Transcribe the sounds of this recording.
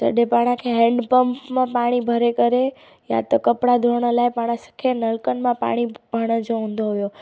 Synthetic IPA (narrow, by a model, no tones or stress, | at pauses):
t̪ə̰ɖepaɽ̃ãkʰeɦɛ̃ɳɖpəmpmãpaɽ̃ibʱəɾekəɾe | ja̰t̪okəpɽad̪ʱoɳ̃alajpaɽ̃ãsə̥kʰenəlkənmãpa̰ɽ̃ibʱəɽ̃ə̃d͡ʒoũnd̪oɦojo